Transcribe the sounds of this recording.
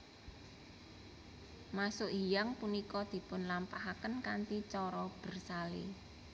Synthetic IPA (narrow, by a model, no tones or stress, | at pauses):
masʊʔɦijaŋpunikɔd̪̥i̤pʊnlampaɦakənkant̪it͡ʃɔɾɔb̥ə̤rsalḛ